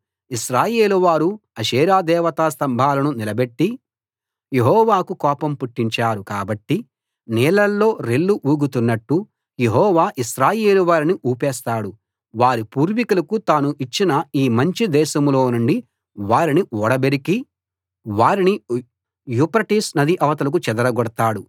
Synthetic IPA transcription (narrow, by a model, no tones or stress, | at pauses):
iʃɾaːje̞ːluʋaːɾuɐʃeːɾaːd̪ɛːʋɐt̪aːst̪ɐmbʱaːlɐnunilɐbe̞ʈːi | jeɦɔːʋaːkukɔːpɐmpuʈːiɲt͡ʃaːɾukaːbɐʈːi | nɛːlɐlːo̞ːɾelːuʔuːɡut̪unːɐʈːu | jeɦɔːʋaːʔiʃɾaːjeːluʋaːɾiniʔuːpɛːst̪aːɽu | ʋaːɾipuːɾʋikulɐkut̪aːnuʔit͡ʃːinɐiːmɐɲt͡ʃid̪ɛːʃɐmlo̞ːnuɳɖi | ʋaːɾiniɔɽɐbeɾiki | ʋaːɾini | juːpɾɐʈiːsnɐd̪iʔɐʋɐt̪ɐlɐk̬ut͡ʃɛd̪ɐɾɐɡɔɽɐt̪aːɽu